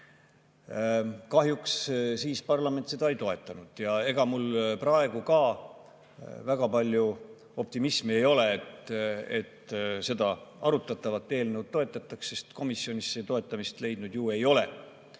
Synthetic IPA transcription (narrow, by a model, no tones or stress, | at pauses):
kɑɦjukssiːspɑrlɑme̞nt̪se̞d̪̥ɑejt̪o̞e̞t̪ːˑɑnud̪̥jɑe̞ɡ̥ɑmulprɑe̞ɡ̥ukɑː | væɡ̥ɑpɑlʲju | o̞p̚t̪imismie̞jo̞le̞et̪e̞̰t̪se̞d̪ɑɑɾut̪ːˑɑt̪ːˑɑvɑt̪ːˑeːlnəwd̪̚t̪ːo̞e̞t̪ˑːɑt̪ˑːɑksse̞st̪ko̞misːjo̞nʲisːet̪o̞e̞t̪ːˑɑmist̪le̞jd̪̥nud̪̥juːe̞jo̞le̞̰